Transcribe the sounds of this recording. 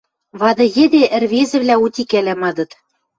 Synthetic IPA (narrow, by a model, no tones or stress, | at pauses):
βɑd̪ɤ̆jɘ̆d̪eʔɘ̆rβezɘ̆βlʲæut̪ʲikælʲæmɑd̪ɤ̆t̪